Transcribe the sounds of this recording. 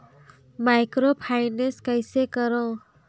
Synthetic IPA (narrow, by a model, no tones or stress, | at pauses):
majkɾopʰajnenskajsekʌɾɔ̃